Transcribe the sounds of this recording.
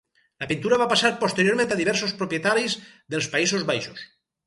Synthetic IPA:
lapint̪uɾaβapasaɾpost̪eɾjoɾmẽnt̪aðiβɛɾsospɾopjet̪aɾizðelˠspaisozβajʃos

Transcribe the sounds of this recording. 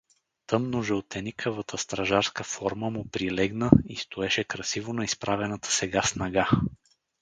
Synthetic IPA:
t̪ɤmnoʒɛlt̪ɛnikʰəvət̪ʰəst̪ɾɐʒaɾskəfɔɾməmʊpɾilɛɡnəist̪ʊɛʃɛkɾɐsivonɐispɾavɛnət̪ʰə̥sɛɡasnɐɡa

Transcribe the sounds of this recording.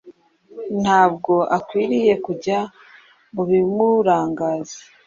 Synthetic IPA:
n̥haːb̚ɡo̞ʔakwiːɾije̞kuɟa | muβimuɾaːŋɡaːzi̥

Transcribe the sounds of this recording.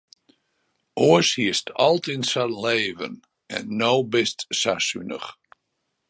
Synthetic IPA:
ʔoəshiəstʰɔlˠtinsaleːvən | ɛ̰nːowbɪstsasynə̰χ

